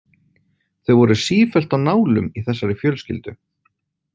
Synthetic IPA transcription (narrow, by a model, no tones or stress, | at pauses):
θœɥvɔɾʏsiːfɛl̥t̪anaːwlʏ̰miθɛsːaɾɪfjœːlscɪ̰lt̪ʏ